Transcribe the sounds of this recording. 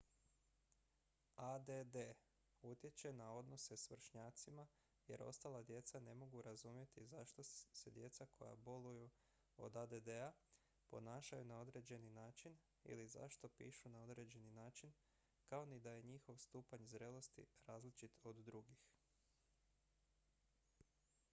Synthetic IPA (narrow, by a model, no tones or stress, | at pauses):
ad̪ed̪e | ut̪je̞t͡ɕe̞nao̞d̪no̞se̞sʋr̩ʃɲaːt̪sima | je̞̰ɾʔo̞̰st̪aːlˠad̪je̞t̪sane̞mo̞ɡuɾazumje̞t̪izaʃt̪o̞se̞d̪je̞t̪sakʰo̞̰ja̰bo̞luju | o̞̰d̪ad̪ed̪ea | po̞̰naːʃajunao̞d̪ɾe̞ːd͡ʑe̞ninaːt͡ʃin | ḭliza̰ʃt̪o̞pḭːʃunao̞d̪ɾe̞ːd͡ʑe̞ninaːt͡ʃin | kaonid̪aje̞ɲixo̞ʋst̪uːpaɲzɾe̞ːlˠo̞st̪ḭɾaːzlit͡ʃit̪od̪ːɾuɡix